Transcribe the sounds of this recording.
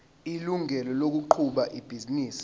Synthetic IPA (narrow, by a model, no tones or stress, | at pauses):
iluŋɛlɔlok̬uǃʰuɓaʔib̥ʱiziniːsi̥